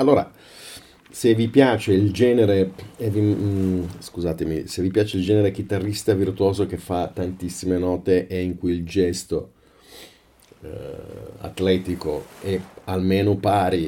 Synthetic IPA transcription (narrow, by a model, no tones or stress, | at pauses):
alːoːɾa | sevipjaːt͡ʃeild͡ʒɛːneɾeɛvi | skuzaːt̪emḭsevipjaːt͡ʃeild͡ʒɛːneɾek̟it̪arːist̪avirt̪uoːzok̟efːat̪ːant̪isːimenɔːt̪eʔeiŋkujild͡ʒɛst̪o | a̰t̪lɛːt̪iko̰ɛalmeːnopaːɾi